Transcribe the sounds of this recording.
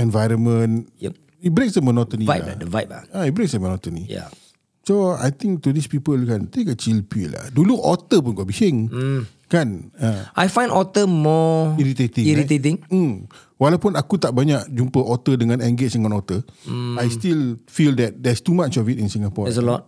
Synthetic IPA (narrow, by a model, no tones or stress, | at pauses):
ɛ̃nvajɾənmə̃nj | it̚bɾek̚sdəmənɔt̪ənivaj̰dəvajt̚a̰ait̚bɾeksdəmənɔt̪ənija̰ | soa̰jt̪ĩŋk̚t̪udispipəlkant̪ekət͡ʃilpila̰hduluʔɔt̪əp̬unkabihɪŋ | kanaʔajfãj̃ndɔt̪əmɔiɾit̪et̪ĩiɾitet̪̬ĩŋm̩ | walawpunakut̪aʔbaɲaʔd͡ʒumpəʔɔt̪ədəŋãnɛ̃ŋɡɪsdəŋãnɔt̪əajstilfildɛt̚dɛstumat͡ʃɔfitĩnsĩŋapɔɛs̬əlɔt̚